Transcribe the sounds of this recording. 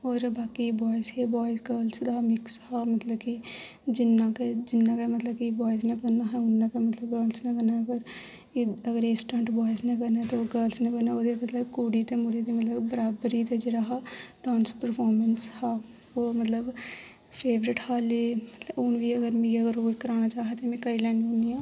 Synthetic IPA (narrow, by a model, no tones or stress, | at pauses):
oːɾbaːkibɔːɪsɦɛbɔːjɪsɡəːlsd̪aːmɪkshaːmət̪ləbki | d͡ʒɪnːãːked͡ʒɪnːãːkemət̪ləbkibɔːɪsneːkənaːɦɛʊnːaːkemət̪ləbɡəːlsnekənaːpəɾ | iəɡəɾeːsʈə̃ɳʈbaːɪsnẽːkəɾnaːt̪oɡəlsnẽːkəɾnãoːd̪emət̪ləkuːɽiːt̪eːmʊɽeːd̪eːmət̪ləbbəɾaːbɾiːt̪ed͡ʒeːɽaːɦaːʈãːnspəɾpʰɔːɾmənshaː | oːmət̪ləb | pʰeːʋɾɪʈhaːleːmət̪ləʊnʋiːəɡəɾmẽːɡəɡəɾoːikəɾaːnaːt͡ʃaːɦet̪emɛ̃ːkəɾiːlɛːnioniːãː